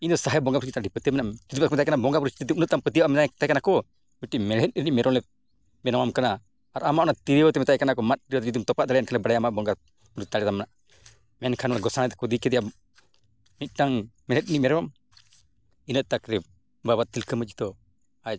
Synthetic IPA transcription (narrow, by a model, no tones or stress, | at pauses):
ind̪ɔsaɦɛbɔŋɡapɾut͡ʃit̪aɖipət̪iəmɛnaʔt̪id̪ipakmɛt̪ajkanabɔŋɡapuɾut͡ʃt̪it̪imunət̪̚t̪ːampət̪iaʔamɛnat̪ajkanakɔ | miʈimɛlɛt̪̚ɾiniʔmɛɾɔŋlɛ | mɛnawamkanaː | ɾamaʔɔnat̪iɾɔt̪ɛmɛt̪ajkanakɔmat̪̚t̪iɾiɔt̪d͡ʒid̪umt̪ɔpaʔd̪alɛjankʰanlɛbaɽajamaʔbɔŋɡa | puɾud͡ʒt̪aɽɛt̪amːɛnaʔ | mɛnkʰanɔnɡɔsanat̪kud̪ikɛd̪ɛja | mit̪̚ʈaŋmɛlɛt̪̚iniʔmɛɾɛwam | inət̪̚t̪akɾɛ | babat̪̚t̪ilkʰəməi̥t̪ɔ | at͡ʃ